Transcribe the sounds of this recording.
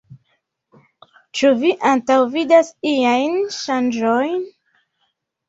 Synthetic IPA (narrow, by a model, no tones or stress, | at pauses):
t͡ʃuviʔantawvidasijajnʃand͡ʒojn